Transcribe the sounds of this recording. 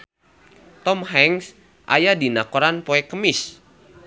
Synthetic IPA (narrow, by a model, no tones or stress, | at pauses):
t̪ɔmhɛŋs | ʔa̰jadinakoɾanpoɛkəmɪs